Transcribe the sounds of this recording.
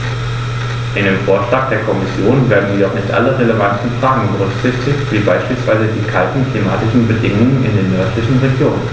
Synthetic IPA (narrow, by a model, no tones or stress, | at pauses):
ʔɪndeːmfoːɐʃlaːk̚d̥eːɐkʰɔmɪsjoːnveːɐdn̩jiːɐdɔχnɪçtʔa̰ləʁeləvantn̩fʁ̥aːɡŋ̩bəʁʏkɪçtɪçtv̥iːbaɪʃpiːlsv̥aɪzədiːkʰaltn̩kʰlimaːtɪʃn̩bədɪŋʊŋənɪ̰ndeːɐnœɐtʰlɪçn̩ʁeɡjoːnn